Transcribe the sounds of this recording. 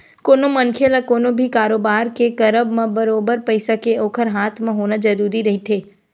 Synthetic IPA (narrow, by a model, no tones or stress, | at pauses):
koːnomɐnkʰelakoːnobʱikaːɾoːbaːɾkekɐɾəbmẽbɐɾoːbəɾpəɪsakeoːkʰəɾɦaːt̪ʰmẽɦoːnad͡ʒɐɾuːɾiɾɐɦit̪ʰeː